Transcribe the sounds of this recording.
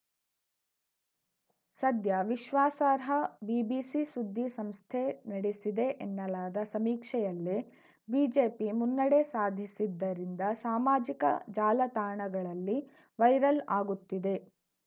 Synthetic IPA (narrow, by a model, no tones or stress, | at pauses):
sɐd̪jɐʋiʃʋaːsaːɾɦɐbiːbiːsisud̪ʱːisɐmst̪ʰenɐɽesid̪e̞ʔenːɐlaːd̪ɐsɐmiːkʂɛjɐlːe | biːd͡ʒeːpimunːɐɽesaːd̪ʱisid̪ːɐɾind̪ɐsaːmaːd͡ʒikɐ̰d͡ʒaːlɐt̪aːɳɐɡɐɭɐlːi | ʋɐjɾɐlaːɡut̪ːid̪e̞